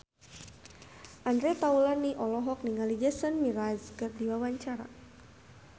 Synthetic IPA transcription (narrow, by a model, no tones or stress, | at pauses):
ʔandɾet̪aulaniʔɔlɔɦɔk̚niŋalid͡ʒɛsənmiɾazkɨrdiwawaɲt͡ʃaɾa̰